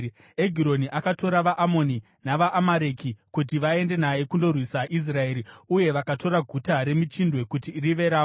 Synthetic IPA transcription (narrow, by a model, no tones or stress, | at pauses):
eɡʱiɾo̞niʔakato̞ɾaʋaʔamo̞ni | naʋaʔːmaɾe̞kikut̬iʋae̞nde̞naje̞kundo̞rwisaʔis̬rae̞ɾiuje̞ʋakato̞ɾaɡʱutaɾe̞mit͡ʃindwe̞kutiriʋe̞ɾaːo